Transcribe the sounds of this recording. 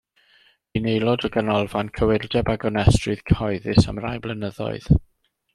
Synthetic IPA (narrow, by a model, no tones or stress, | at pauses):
inejlˠɔdəɡənɔlˠvankʰəwɪrdɛbaɡɔnɛstrɨð̥kʰɔɨðɨsa̰mrajblˠənəðɔ̰ɨð̥